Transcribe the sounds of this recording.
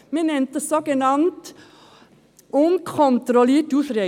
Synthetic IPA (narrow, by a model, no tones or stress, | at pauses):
menɛnt̪əsɔɡənɑnt̪ | unkʰɔnt̪ɾɔlɪʈʉːθɾe